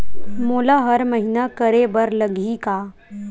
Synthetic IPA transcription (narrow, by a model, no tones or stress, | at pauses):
moːlaɦəɾməɦinakəɾebəɾləɡʱika